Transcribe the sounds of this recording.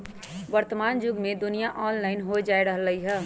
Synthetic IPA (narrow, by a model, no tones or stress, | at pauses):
ʋəɾt̪əmaːnd͡ʒʊɡmẽd̪ʊnijaʔɔːnlaːɪnɦod͡ʒaːeɾəɦəlːəɦiɦɛː